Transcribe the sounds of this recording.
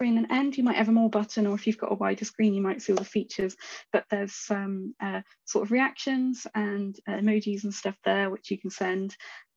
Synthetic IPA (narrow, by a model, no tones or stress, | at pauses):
ɹɪ̃ŋə̃nʔɛ̃ndjəmaɪʔɛvəmɔːbʌʔn̩əɹɪfjɨvɡɒ̰ʔə̰waɪdəskɹĩːnjəmaɪtsilˠðəfiˑt͡ʃəz̥b̥ʌʔðəz̥sʌ̃mʔʌ | sɔ̰ˑtəvɹiakʃə̃nz̥ə̃ndəməːd͡ʒizə̃nstʌfðəwɪt͡ʃjəkʰə̃n̩sɛ̃nd̥